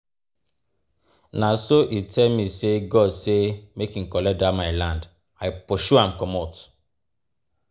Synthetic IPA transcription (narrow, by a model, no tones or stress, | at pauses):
nasoʔitʰɛlmiseɡɔdsemekĩŋ̩kɔlɛdamaɪlãnd | ajpɔʃuãmkɔmɔt